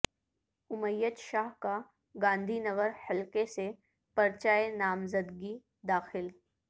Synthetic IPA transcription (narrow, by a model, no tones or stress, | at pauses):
ʊməjːət̪ʃaːɦka | ɡãːnd̪ʱinɐɣəɾhɐlkese | pɐɾt͡ʃaːenaːmzəd̪ɡi | d̪aːxɪl